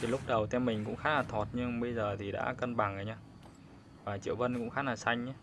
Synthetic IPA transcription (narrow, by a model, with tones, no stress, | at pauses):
t̪ʰi˨˩lʊ˦˥k͡p̚ɗə˨˩wt̪ʰɛ˧mːï˨˩ŋ̟kʊ̰˧˥ŋ͡mxaː˦˥laː˨˩t̪ʰo˨˩t̚ɲɨ˧ŋɓə˧jzəː˨˩t̪ʰi˨˩ɗa̰ː˧˥kə˧nɓa˨˩ŋʔə˨˩ɲaː˧ | vaː˨˩t͡ɕḭ˧˨wvə˧nkʊ̰˧˥ŋ͡mxaː˨˦˥laː˨˩sa˧jŋ̟ɲa˧˦